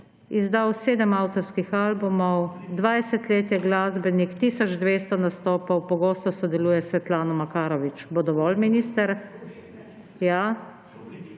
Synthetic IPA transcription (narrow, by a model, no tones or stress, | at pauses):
izd̪awseːd̪əmawt̪ɔɾskixalbumɔwd̪ʋajsɛt̪leːt̪jɛɡlaːzbɛnikt̪iːsɔd͡ʒd̪ʋeːst̪ɔnast̪oːpɔwpɔɡoːst̪ɔsɔd̪ɛluːjɛsʋɛt̪laːnɔmakaːɾɔʋit͡ʃbod̪ɔʋɔlminist̪ɛɾ | ja